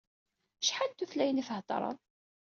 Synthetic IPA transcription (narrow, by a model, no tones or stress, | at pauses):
ʃħad̪t̪ːuθlæjənifəht̪ˤɾˤə̰n